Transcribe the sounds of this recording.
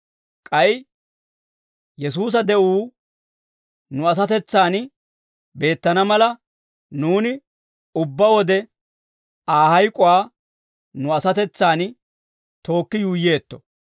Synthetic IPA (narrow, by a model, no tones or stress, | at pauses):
kʼɐj | jɛs̬uːs̬ɐd̪ɛʔuː | nʊɐs̬ɐt̪ɛt͡sːaːn | be̞ːt̪ːɐnɐmɐlɐ | nuːnɪ | ʊbːɐwɔd̪ɛ | aːɦɐjkʼʊwaː | nʊɐsɐt̪ɛt͡sːaːn | t̪o̞ːkːɪjuːjːe̞ːt̪ːɔ̥